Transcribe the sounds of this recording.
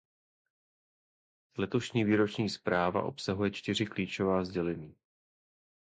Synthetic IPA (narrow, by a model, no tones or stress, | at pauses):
zlɛt̪o̞ʃɲiːviːɾo̞t͡ʃɲiːspɾaːva̰ʔo̞̰psaɦujɛt͡ʃt̪ɪrɪkliːt͡ʃo̞vaːzɟɛlɛɲiː